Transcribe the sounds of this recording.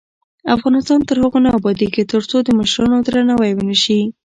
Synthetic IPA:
afɣɑnɪst̪ɑnt̪əɾhəɣonaabɑd̪iket̪əɾt͡sod̪əməʃɾɑnod̪ɾanawajwənəʃi

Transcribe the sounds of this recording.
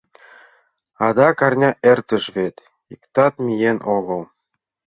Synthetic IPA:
ɑd̪ɑkɑrnʲɑʔert̪ə̆ʃβet̪ | ikt̪ɑt̪̚mʲijenʔoɣɤlˠ

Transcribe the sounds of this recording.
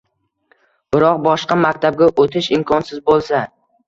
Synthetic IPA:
b̥ɪɾɒq̚bɒʃqɑmakʲt̪ʰab̚ɡʲaʔot̪ʰɪʃɪmkʰɒnsɪzbolˠsa

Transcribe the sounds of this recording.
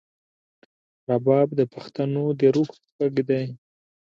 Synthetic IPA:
ɾabɑbd̪əpaxt̪anod̪əɾuxspaɡd̪aj

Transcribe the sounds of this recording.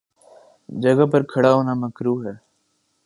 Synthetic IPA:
d͡ʒəɡəpəɾkʰəɽaːʊnaːməkɾuːɦɛː

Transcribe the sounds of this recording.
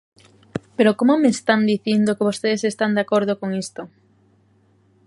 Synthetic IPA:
peɾokomomest̪and̪iθind̪okeβost̪eðesest̪and̪akoɾð̞okoŋist̪o

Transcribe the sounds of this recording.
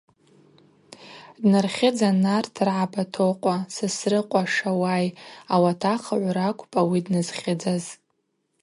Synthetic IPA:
dnɨrχʲɪd͡zanartʰɨrʕabatʰoqʷʼasɨsrɨqʷʼaʂawajawatʰaχaʕʷɾakʷʰʼpʼawidnɨzχʲɪd͡zaz

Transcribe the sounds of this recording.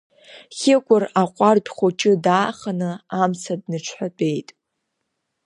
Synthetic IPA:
χʲɪkʷʼʊraqʷʼarpʲʼχʷot͡ʃʼɪdaːχanɨamsʰadnɨʈ͡ʂʷʰħʷᶣapʼe̞jtʼ

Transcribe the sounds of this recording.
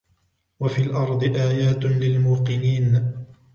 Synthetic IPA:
wafiːlʔɑɾˤd̪ˤɨʔaːjaːt̪lɪlmuːqɨniːn

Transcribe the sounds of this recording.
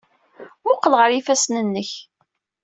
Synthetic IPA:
ʊqːəlʁəɾifæsnənːəç

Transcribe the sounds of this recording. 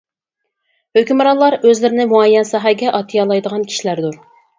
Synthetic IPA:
høkʲymɾɑlˠɑɾøzlɪɾɪnɪmuɑjɛnsɑɦɑɡʲɛʔɑt̪ʰijɑlˠɑjd̪əʁɑnkʲʰi̥ʃilæɾd̪uɾ

